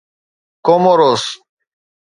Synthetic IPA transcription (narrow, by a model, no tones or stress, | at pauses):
komoɾos